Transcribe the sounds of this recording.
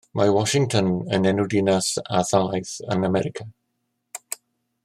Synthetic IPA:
mawɔʃɪŋtʰɔnə̰nɛnʊdinasa̰θalˠajθə̰namɛɾɪkʰa

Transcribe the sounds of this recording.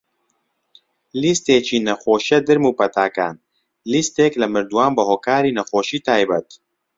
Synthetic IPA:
list̪eːt͡ʃʰiːnɐxoːʃɛd̪ɨɾmuːpɐt̪ʰaːka̰ːn | list̪eːklɨmɨɾd̪uwaːnbɨɦoːkaːɾiːnɐxoːʃiːt̪ʰaːjbɐt̪

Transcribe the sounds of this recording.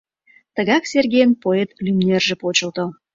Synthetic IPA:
t̪əɣɑksʲerɡʲejənpoet̪lymnʲerʒĕpot͡ɕə̆lˠt̪o

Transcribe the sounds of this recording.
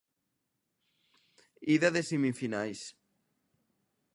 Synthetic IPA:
iðaðesimifinajs

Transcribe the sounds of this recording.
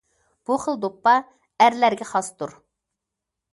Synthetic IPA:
b̥uχəlˠd̪opːɑ | æɾlæɾɡʲɛχɑst̪uɾ

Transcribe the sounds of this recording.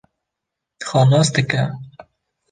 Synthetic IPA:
xɑːnɑːsd̪ɨkɛ

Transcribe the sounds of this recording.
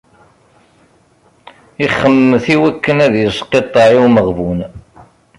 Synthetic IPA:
iχːəmːəθiwækːənæðjəsˤqːet̪ˤːɑʕiwməʁvun

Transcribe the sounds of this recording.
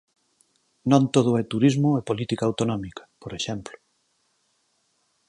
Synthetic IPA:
nõnt̪oð̞ʊɛt̪uɾizmʊepolit̪ikaːwt̪onɔmikḁpoɾeʃɛmplʊ̥

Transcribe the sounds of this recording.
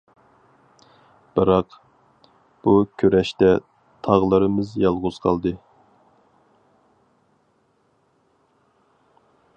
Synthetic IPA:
b̥ɨɾɑq | b̥ukʲʰøɾɛʃt̪ɛ | t̪ʰɑʁlˠɨɾɨmɨzjɑlˠʁʊz̥qʰɑlˠd̪ɨ

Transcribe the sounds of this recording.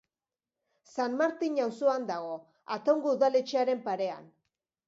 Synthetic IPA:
sanmaɾt̪iɲawsoand̪aɣ̞o̞ | at̪o̞ŋɡouðale̞t͡ʃeaɾe̞mpaɾe̞a̰n

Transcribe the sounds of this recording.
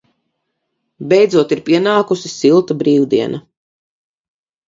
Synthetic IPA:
bɛjd̪zuɔt̪iɾpʲiɛnaːkusisilˠt̪abɾiːwd̪iɛnʔa

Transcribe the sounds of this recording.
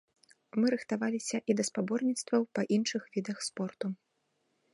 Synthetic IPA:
mɨɾɨxt̪avalʲisʲɐʔid̪ɐspabɔrnʲit̪st̪vɐwpɐʔinʂɨxvʲid̪ɐxspɔrt̪u

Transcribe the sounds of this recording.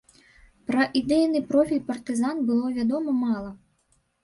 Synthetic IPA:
pɾɐʔid̪ɛjnɨpɾɔfʲilʲpɐrt̪ɨzanbɨlˠɔvʲad̪ɔmɐmalˠɐ

